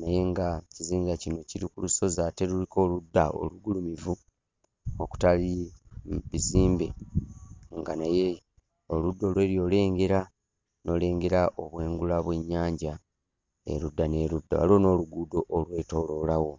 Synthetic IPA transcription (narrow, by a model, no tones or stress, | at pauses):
naje̞ŋɡaciziːɲɡacino̞ciɾikuluso̞zaːte̞ɾuliko̞ːludːa̰o̞̰luɡulumivu | oku̥tali | βiziːmbe̞ | ŋɡanaje̞ | oludːo̞ːlwe̞ːɾjo̞ːle̞ːŋɡe̞ɾa | no̞ːle̞ːŋɡe̞ɾaʔo̞βwe̞ːŋɡulaβwe̞ɲːaːɲɟa | ḛɾudːane̞ːɾudːa̰wa̰lo̞ːno̞ːluɡuːdo̞ʔːlwe̞ːto̞lo̞lawo̞